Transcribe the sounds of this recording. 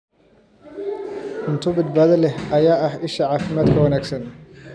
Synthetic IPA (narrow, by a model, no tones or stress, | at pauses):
ʔʊnt̪ʰʊbɐd̪baːðɐlɛhʔɐjaːɐhɪʃɐʕaːfɪmaːd̪kʰɐwɐnaːɡsɐn